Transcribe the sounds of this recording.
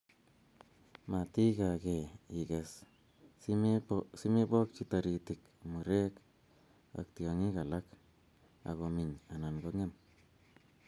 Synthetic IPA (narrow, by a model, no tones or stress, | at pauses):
matikakeikas | simebɔk̚t͡ʃitaɾitik | muɾek | a̰k̚tjɔŋikalak | a̰komiɲanankoŋen